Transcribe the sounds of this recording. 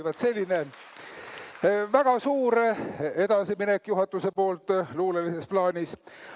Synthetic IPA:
vɑt̪se̞lʲːine̞ | væɡ̥ɑsuːɾe̞d̪̥ɑsiminekːˑjuɦɑt̪ːˑuse̞po̞ːlt̪ːˑluːlelise̞splɑːnʲis

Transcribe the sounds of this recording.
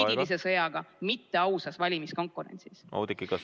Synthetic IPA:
ilis̬e̞sɤjɑɡ̥ɑmit̪ːe̞ɑwsɑsvɑlʲimisko̞ŋkːˑuɾe̞̰nsisʔɑ̰d̪ikːikɑ

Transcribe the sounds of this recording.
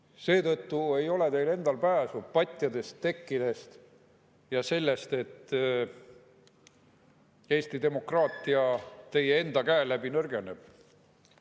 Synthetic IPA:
se̞ːt̪ɤt̪ːue̞jo̞le̞t̪e̞jle̞nd̪ɑlpæːsupɑt̪ʲːˑjɑd̪e̞st̪ːe̞kːid̪̥e̞st̪ | jɑse̞lːe̞st̪e̞t̪ː | e̞ːst̪id̪e̞mo̞krɑːt̪ˑːiɑt̪e̞jee̞nd̪ɑkæelæbinø̞rɡe̞neb̥̚

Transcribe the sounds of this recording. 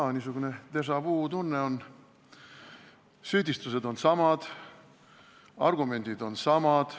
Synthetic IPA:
nisuɡ̥une̞t̪e̞s̬ɑv̥uːt̪unːe̞on | syːd̪ist̪used̪o̞nsɑmɑd̪̥ | ɑ̰rɡ̥ume̞nʲd̪̥id̪o̞nsɑmɑd̪̥

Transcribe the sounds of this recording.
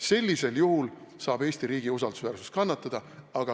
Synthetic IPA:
se̞lʲːise̞ljuɦul | sɑːb̥e̞ːsʲt̪iɾiːɡiusɑld̪̥usvæːrsu̥st̪kɑnːɑt̪ːˑɑd̪̥ɑɑɡ̥ɑ

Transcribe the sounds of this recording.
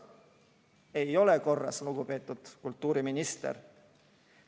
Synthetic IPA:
e̞jo̞le̞ko̞rːɑ̰sluɡ̥upe̞ːt̪ːˑud̪̥kult̪ˑːuːɾiminist̪ḛr

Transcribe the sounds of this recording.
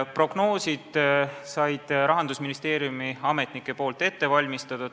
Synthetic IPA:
pro̞ɡ̥no̞ːsid̪̥sɑjd̪̥ɾɑɦɑnd̪usminist̪e̞ːɾijumiɑme̞t̪nikːˑe̞po̞ːlt̪e̞t̪ːe̞vɑlʲmist̪ɑd̪̥ɑ

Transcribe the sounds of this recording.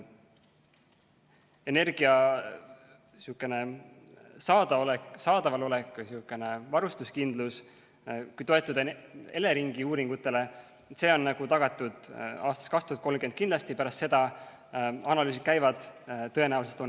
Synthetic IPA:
e̞ne̞rɡ̥iɑ | siukːˑe̞ne̞ | sɑːd̪ɑoleksɑːd̪̥ɑvɑlo̞lekːsiukːˑe̞ne̞vɑɾust̪uskind̪lus | kujt̪o̞e̞t̪ːˑud̪̥e̞le̞ɾiŋɡ̥iuːɾiŋɡ̥ut̪ːˑe̞le̞ | se̞ːo̞nnɑɡ̥ut̪ɑɡ̥ɑt̪ːˑud̪̥ɑːst̪ɑ̥skɑkst̪uhɑt̪kolmkenkind̪lɑst̪ipæɾɑst̪se̞d̪̥ɑ | ɑnɑlyːsit̪kæjvɑd̪̥t̪ːɤ̞e̞næwlselt̪on

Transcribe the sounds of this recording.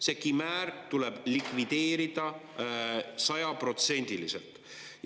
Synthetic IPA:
se̞kimæːɾt̪uleb̥likvid̪̥e̞ːɾid̪̥ɑ | sɑjɑpro̞t̪se̞nʲd̪̥ilisḛlt̪ˑ

